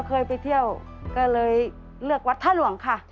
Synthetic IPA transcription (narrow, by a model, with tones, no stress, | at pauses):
kʰɤː˧jpa˧˩jt̪ʰi˧˥˩əw | kɔː˥˩lɤː˧j | lɯ˥˩ək̚wa˧˥t̪ʰːaː˥˩nlu˧˩˦əŋkʰa˥˩